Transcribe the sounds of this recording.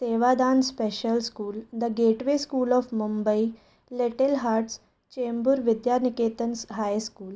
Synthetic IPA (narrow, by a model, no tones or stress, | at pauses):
seːʋad̪aːnspeʃəlskuːld̪əɡeːʈʋeskuːlɔːfmumbəi | leʈelɦaːɾʈs | t͡ɕeːmbuɾʋɪd̪jaɾnikeːt̪ənsɦajskuːl